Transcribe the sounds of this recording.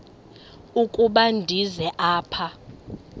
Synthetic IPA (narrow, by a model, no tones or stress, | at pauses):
ukʼuɓandʱizɛʔaːpʰa